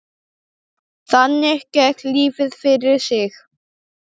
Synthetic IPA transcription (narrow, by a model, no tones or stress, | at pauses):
θanːɪɛhcɛk̪liːvɪðfɪɾɪɾ̥sɪx